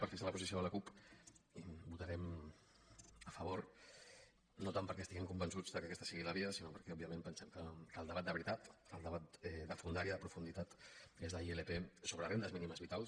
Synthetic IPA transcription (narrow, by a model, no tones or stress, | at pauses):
pəɾfisələpuzis̬ioðələkupibut̪aɾɛm | əfəβ̞oɾ | not̪ampəɾkɛst̪iɣiŋkumbənsud͡zðəkəkɛst̪ə̥siɣiləβiəsinopəɾkɛɔbiəmẽmpənsɛmkəkəlˠd̪əβat̪̚d̪əβɾit̪at̪əlˠd̪əβat̪ɛd̪əfund̪aɾiəðəpɾufund̪it̪at̪ezðəielepesoβɾərend̪əzminiməzβit̪alˠs